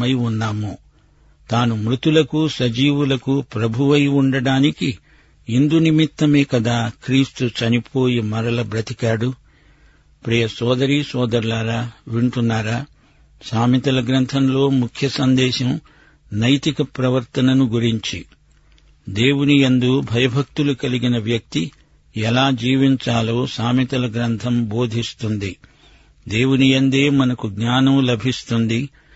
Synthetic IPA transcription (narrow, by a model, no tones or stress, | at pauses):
ɐjunːaːmo | t̪aːnumɾut̪ulɐkusɐd͡ʒiːʋulɐkupɾɐbʱuʋɐjuɳɖɐɽaːniki | ind̪unimit̪ːɐmeːkɐd̪aːkɾiːst̪ut͡ʃɐnipʰo̞ːjimɐɾɐlɐbɾɐt̪ikaːɽu | pɾijɐsɔːd̪ɐɾisɔːd̪ɐɾlaːɾaːʋiɳʈunːaːɾaː | saːmit̪ɐlɐɡɾɐnt̪ʰɐmlo̞ːmukʰjɐsɐnd̪ɛːʃɐm | nɐjt̪ikɐpɾɐʋɐɾt̪ɐnɐnuɡuɾiɲt͡ʃi | d̪e̞ːwuniend̪ubʱɐjɐbʱɐk̚t̪ulukɐliɡinɐʋjɐk̚t̪i | ɛlaːd͡ʒiːʋiɲt͡ʃaːloːsaːmit̪ɐlɐɡɾɐnt̪ʰɐmbo̞ːd̪ʱist̪und̪i | d̪e̞ːwuniɐnd̪eːmɐnɐkuɡɲaːnɐmlɐbʱist̪und̪i